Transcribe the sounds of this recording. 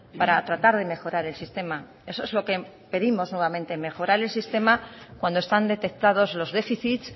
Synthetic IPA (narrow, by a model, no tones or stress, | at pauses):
paɾat̪ɾat̪aɾð̞e̞me̞xo̞ɾaɾe̞lsist̪e̞ma | e̞so̞ezlo̞ke | pe̞ðimo̞znwe̞β̞ament̪e̞me̞xo̞ɾaɾe̞lsist̪e̞makwand̪oe̞st̪and̪e̞t̪e̞k̚t̪að̞o̞zlo̞zðe̞fiθit̪s